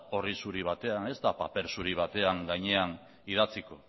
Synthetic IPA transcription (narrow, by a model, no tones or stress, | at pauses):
o̞risuɾiβ̞at̪e̞ane̞zt̪apape̞ɾsuɾiβ̞at̪e̞aŋɡajɲe̞an | ið̞at͡siko̞